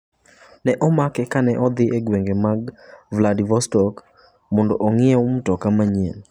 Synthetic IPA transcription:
nɛʔɔmakɛkanɛʔɔd̪ɪeɡweŋɡemaɡvladivɔstɔk | mɔndɔʔoŋɪɛum̩tɔkamaɲen

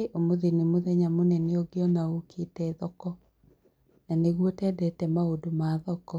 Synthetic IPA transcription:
eʔomoðenemoðɛɲamonɛneoɡeɔnaokʰetɛðɔkɔ | naneɣwɔtɛdɛtɛmaodomaðɔkɔ

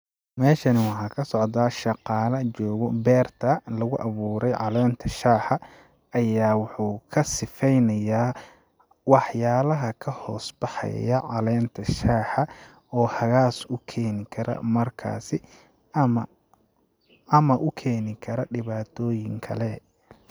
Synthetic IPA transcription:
mɛːʃɐnɪwɑħɑːkʰɐsɔʕd̪aːʃɑqɑːlɐt͡ʃɔːɣɔbɛːrt̪ʰɐlɐɣʊʔɐβuːɾɛjʕɑlɛːnt̪ʰɐʃaːħɐ | ɐjaːwʊħuːkʰɐsɪfɛjnɐjaː | wɑħjaːlɐɦɐkʰɐhɔːsbɑħɑ̰jɐʕɑlɛːnt̪ʰɐʃaːħɐ | ɔːhɐɣaːsʊkʰɛːnɪkʰɐɾʔɐ̰mɐrkʰa̰ːsɪ | mɐ | ɐmɐʔʊkʰɛːnɪkʰɐɾɐɖɪβaːt̪ʰɔːjɪŋkʰɐ̰lɛ

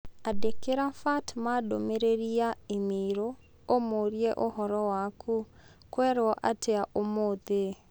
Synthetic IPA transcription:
adekeɾafatmadomeɾeɾiaemiɾo | omoɾieʔohɔɾɔwakʰu | kwɛɾɔʔa̰tʰɛaʔomoðe

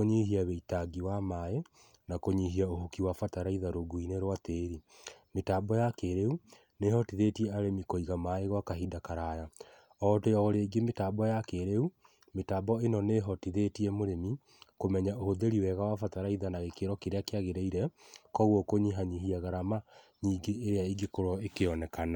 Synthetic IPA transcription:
oɲihiaβɛitaɡiwamae | nakoɲiɦiaohukiwafataɾaiðaɾoɡuineɾwateɾimetaːbɔjakeɾeu | neɦɔtiðetiɛaɾemikoiɣamaeɣwakaɦidakaɾaja | ɔtejɔɣɾeɡemetaːbɔjakeɾeu | metabɔenɔneɦɔtiðetiɛmoɾemi | komɛɲaohoðeɾiwɛɣawafataɾaiðanaɣekeɾɔkeɾeakeaɣeɾeiɾɛkɔɣɔkoɲiɦaɲiɦiaɣaɾamaɲiːɡeːɾeaiɡekoɾɔekeɔnɛkana

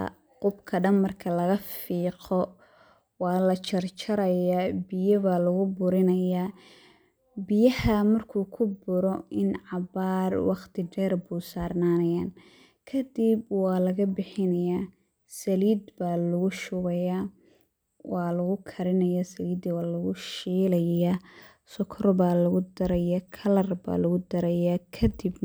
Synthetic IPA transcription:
qʊbkʰɐɖɐnmɐrkʰɐlɐɣɐfiːqɔ | wɑːlɐt͡ʃʰɐrt͡ʃʰɐɾɐjaːbɪjɐβaːlɐɣʊbʊɾɪnɐjaː | bɪjɐhɐmɐrkʰuːkʰʊbʊɾɔɪnʕɑbaːrwɑqt̪ʰɪɖɛːrbuːsaːrnaːnɐjaːn | kʰɐd̪ibwɑːlɐɣɐbɪħɪnɐjaː | sɐliːd̪baːlʊɣʊʃʊɣɐjaː | wɑːlɐɣʊkʰɐɾɪnɐjaːsɐliːd̪wɑːlɐɣʊʃiːlɐja | sɔkʰɾɔbaːlɐɣʊd̪ɐɾɐjɐkʰɐlɐrba̰ːlɐɣʊd̪ɐɾɐjaːkʰɐd̪ib

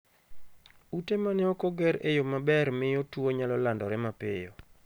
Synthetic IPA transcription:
utemanɛɔkɔɡɛɾejomabɛrmɪjotwoɲalɔlandɔɾɛmapɪ̰jo̰

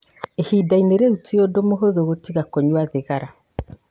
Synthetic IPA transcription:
ehiːdaineɾeutiodomoɦoðoɣotiɣakoɲwaðeɣaɾa

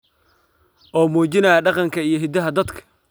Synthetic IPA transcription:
ʔɔːmuːt͡ʃɪnɐjɐɖɑqɑŋkʰɐijɞɦɪd̪ɐɦɐd̪ɐd̪kʰɐ̥

